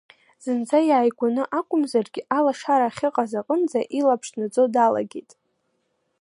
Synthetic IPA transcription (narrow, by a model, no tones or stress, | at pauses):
z̥ɨnd͡zʰajaːjɡʷanɨʔakʷʼʊmzarɡʲɪʔalaʂaɾaχʲɪqʼazaqʼənd͡zaʔilapʰʂnɨt͡sʼodala̰ɡʲejtʼ